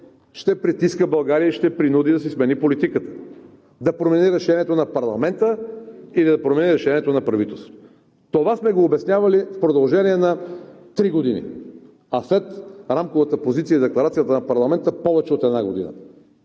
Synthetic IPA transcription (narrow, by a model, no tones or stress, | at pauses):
ʃt̪ɛpɾit̪iskəbɐlˠɡaɾiəiʃt̪ɛpɾinud̪id̪ɐs̬ismɛnipolit̪ikət̪ə̥ | d̪ɐpɾomɛniɾɛʃɛniɛt̪onɐpɐɾlˠɐmɛnt̪əilid̪ɐpɾomɛniɾɛʃɛnʲiɛt̪onɐpɾɐvit̪ɛlˠst̪o̥t̪ | t̪ovasmɛɡoːbɛsnʲjavɐlifpɾod̪ɐlˠʒɛniɛnɐt̪ɾiɡod̪inḭ | ɐslɛt̪ɾamkovət̪əpozit̪sijəid̪ɛklˠɐɾat̪sijət̪ənɐpɐɾlˠɐmɛnt̪əpɔvɛt͡ʃɛot̪ɛd̪naɡod̪ḭnə̰